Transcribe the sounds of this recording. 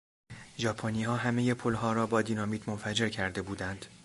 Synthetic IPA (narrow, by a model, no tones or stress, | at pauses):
ʒɒːpʰoniːhɒːɦæme̞je̞pʰolɦɒːɾɒːbɒːd̪iːnɒːmiːd̪mo̞nfæd͡ʒe̞ɾcʰæɾd̪e̞buːd̪ænd̪̥